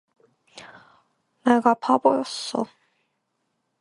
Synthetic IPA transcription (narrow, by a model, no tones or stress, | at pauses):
neɡapʰabojʌs͈ːʌ̰